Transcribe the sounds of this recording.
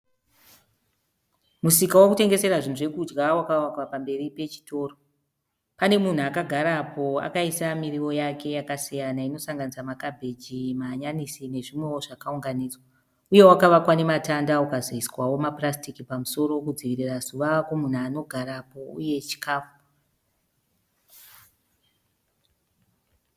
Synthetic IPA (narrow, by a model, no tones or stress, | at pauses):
musikawakute̞ŋɡe̞se̞ɾaʐin̤uʐe̞kud͡ʒɡawakawakwapambe̞ripe̞t͡ʃi̥to̞ːro | pane̞mun̤uakaɡʱaɾapo̞a̰kaisamiɾiwo̞jakʰe̞jakasijanaino̞saŋɡanisamakabʱe̞d͡ʒimaɲanisine̞ʐimwe̞woʐakauŋɡaniːd͡zwa | uje̞wakaʋakwane̞matandaukazoiswawo̞maprastikipamuso̞ɾo̞kud͡ziʋirirazuʋakwomun̤ano̞ɡʱaɾapo̞ṵje̞t͡ʃi̥kaːfu̥